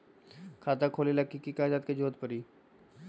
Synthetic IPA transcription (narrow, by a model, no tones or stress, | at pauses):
kʰaːt̪akʰoːlilɐkːikikaːd͡ʒaːt̪̚ked͡ʒoːt̪̚pəɾiː